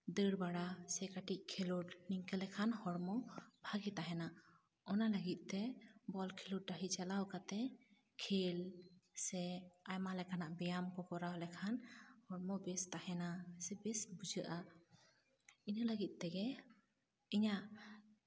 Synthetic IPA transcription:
d̪əɽbaɽasɛkaʈic̚kʰeluɾniŋkəlɛkʰanhɔɽmɔbʱaɡit̪aɦɛna | ɔnaləɡit̪̚ˀt̪ɛbɔlkʰeluʈ̚ɖaɦit͡ʃalawkat̪ɛ | kʰelsɛajmalɛkanaʔbɛjamkɔkɔɾawlɛkʰanhɔɽmɔbɛst̪ahɛnasɛbɛsbud͡ʒəʔa | inələɡit̪̚ˀt̪ɛɡɛ | iɲaʔ

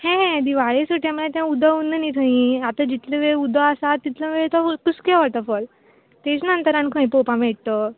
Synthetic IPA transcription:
hɛ̃ɦɛ̃d̪iʋaɭesəʈʰjãməɭet̪jãud̪ʱəunːənit̪ʰəĩat̪ad͡ʑit̪ləʋeɭud̪ʱəasait̪ləʋeɭt̪ɔkuskaʋəɭt̪əfəl | t̪et͡snənt̪əɾãnkʰə̃j̃popãmeɽt̪ə

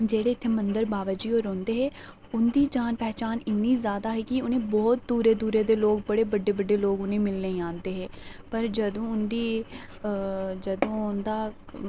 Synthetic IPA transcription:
d͡ʒeːɽeːt̪ʰːeːmənd̪əɾbaːʋəd͡ʒiːoːɾõːnd̪eːɦɛː | ʊnd̪iːd͡ʒaːnpɛːt͡ʃaːnɪnːiːzjaːd̪aːɦɛːkɪʊnẽːbɔːt̪̚d̪uːɾeːd̪uːɾeːd̪eːloːɡbəɽeːbəɖːeːbəɖːeːloːɡʊnẽːmɪlneĩãːnd̪eːɦɛːpəɾd͡ʒəd̪õːʊnd̪iː | d͡ʒəd̪õːʊnd̪aː

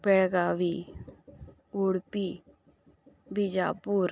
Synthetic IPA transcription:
pɛɽɡaːʋiː | uːɽpiː | bid͡ʒa̰ːpuːɾ

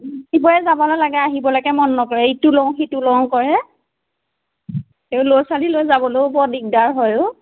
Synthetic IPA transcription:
dibɔjɛzabɔlolaɡɛaɦibɔlɔɡɛmɔnːɔkɔɹɛjtʊlɔwxitulɔw̃kɔɹɛ | eʊlojsalilojzabɔlobɔdiɡ̚daɹɦɔjʊ

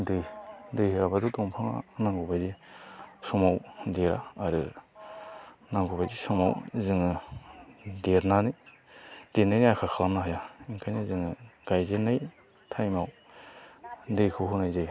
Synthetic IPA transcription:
dɯjdɯjhɾabadutɔŋpʰaŋa̰naŋɡubajdi | sɔmawdeɾa̰ːɾɯ | naŋɡubajdisɔma̰wzɯŋɯ | deɾnani | d̥eɾnajniakʰakʰalamnaɦajaiŋkʰajnazɯŋɯɡ̥ajzenaj | tʰajmaw | dɯjkʰɯɦunajzaj

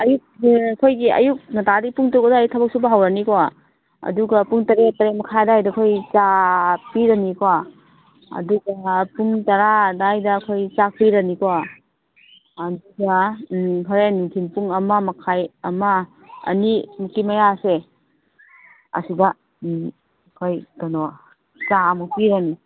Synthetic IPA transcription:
ɐjuk̚ɐkʰojɡiɐ̰juk̚nɐtaɾipuŋtowɡadajuk̚tʰabɐk̚subɐɦawɾaniko | ɐ̰duɡɐpuŋtɐɾetɐɾemɐkʰajdajdɐkʰojt͡ʃapiɾɐniko | ɐ̰duɡɐpuŋtɐɾadajdɐːkʰojt͡ʃak̚piɾɐniko | ɐduɡɐpʰaɾenuŋtʰinpuŋɐmamɐkʰajɐma̰ː | nimukimajase | ɐ̰sidɐ | kʰojdano | t͡ʃamupiɾani

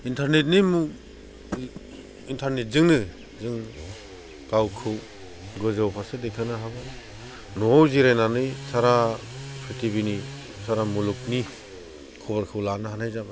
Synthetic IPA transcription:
intʰaɾnet̬̚nimu | intʰaɾnet̚zɯŋnɯ | zɯŋ | kawkʰɯw | ɡɔzɯwpʰasedekʰɯnɯɦaba | nɔwziɾajnanɯjsaɾapʰɾitʰibini | sʰaɾamuluk̚ni | kʰɔbaɾkʰɯwlanɯɦanajzab

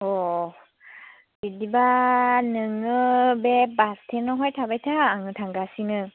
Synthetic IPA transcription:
ɔ | bidibanɯŋɯbebastʰenɔɦɔjtʰabajtʰaːŋɯtʰaŋɡasinɯ

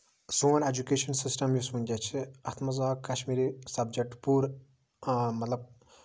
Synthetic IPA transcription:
soːned͡ʒukeːʃɐnsisʈɐmjusmunʲd͡ʒʲat͡ʃʰiɐt̪ʰmɐzaːkːɐʃmiːɾisɐbd͡ʒɐk̚ʈpuɾ | mɐt̪lɐb̚

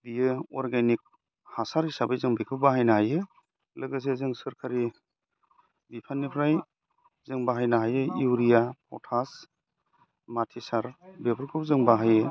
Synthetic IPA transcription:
dijɯɔɾɡenik̚ | hasaɾisabajzɯŋbikʰɯwbaɦajnahajɯ | lɯɡɯs̬ezɯŋsɯɾkʰaɾi | bipʰanːipʰɾaj | zɯŋbaɦajnaɦajɯiwɾijapʰɔ̰wtʰas | matʰisaɾbepʰɯɾkʰɯp̚zɯŋbaɦajɯ

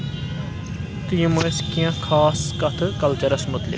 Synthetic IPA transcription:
t̪ijmeskijãːkʰaːskɐt̪ʰkɐlt͡ʃəɾəsmʊt̪lɪ̰k

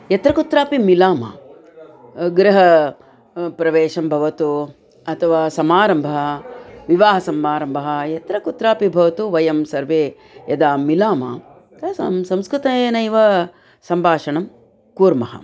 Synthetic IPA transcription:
jɐt̪ɾɐkut̪ɾaːpimilaːmɐ̰ | ɡɾɐɦɐ | pɾɐʋeːʃɐmbʱɐʋɐt̪u | ɐt̪ʰɐʋaːsɐmaːɾɐmbʱɐɦɐʋiʋaːɦɐsɐmaːɾɐmbʱɐɦɐjɐt̪ɾɐkut̪ɾaːpibʱɐʋɐt̪uʋɐjɐmsɐɾʋeː | jɐd̪aːmːilaːma̰ː | t̪ɐsɐmsɐmskɾut̪ɐenɐjʋɐ | sɐmbʱaːʂɐɳɐm | kuːɾmɐɦɐ̰

